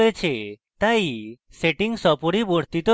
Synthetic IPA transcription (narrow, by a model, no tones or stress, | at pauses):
jet͡ʃʰe | t̪aj | seʈiŋsɔpɔɽibɔɽt̪it̪ɔ